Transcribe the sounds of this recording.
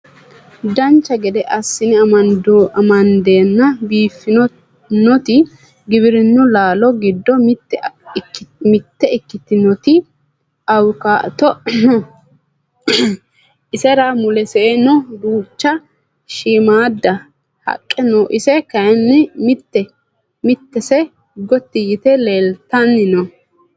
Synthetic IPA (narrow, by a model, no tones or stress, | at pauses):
d̪ɐnt͡ʃːɐɡɛd̪ɛʔɐsːɪnɪɐɐɐmɐnd̪e̞ːnːɐbiːfːɪnɔ | nɔt̪ɪ | ɡɪβɪɾɪnːʊlaːlɔɡɪd̪ːɔmtː | mɪt̪ːɛɪkːɪt̪ɪnɔt̪ɪ | ɐwkaːʔt̪ɔ | ʔɪsɛɾamʊlɛseːnɔd̪uːt͡ʃːɐ | ʃiːmaːd̪ːɐ | hɐ̰kʼːɛnoːʔɪsɛkɐjnːɪmɪt̪ːɛ | mɪt̪ːɛsɛ | ɡɔt̪ːɪjɪt̪ɛleːlt̪ɐnːɪnɔ